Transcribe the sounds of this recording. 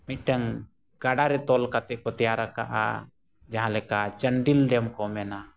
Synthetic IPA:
mit̪̚ˀʈəŋ | ɡ̥aɖaɾɛt̪ɔlkat̪ɛʔkɔt̪ɛjaɾaka̰ʔa̰ | d͡ʒaɦãlɛkat͡ʃəɳɖilɖɛmkɔmɛna

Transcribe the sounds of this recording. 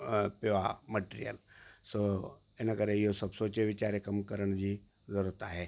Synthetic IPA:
peʋaməʈeːɾijə̰lso | enakəɾejosɐbsoːt͡ʃeʋɪt͡ɕaːɾjekɐmkəɾəɽ̃d͡ʑiː | zəɾuɾət̪aɦɛː

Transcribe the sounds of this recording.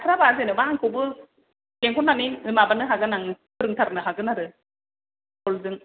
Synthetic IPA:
tʰaɾabazenɯwaŋkʰɯbɯ | keŋkʰɔnːaninɯmabanɯɦaɡɯnaŋpʰɯɾɯŋtʰaɾanɯɦaɡɯnaɾɯ | kɔlzɯŋ

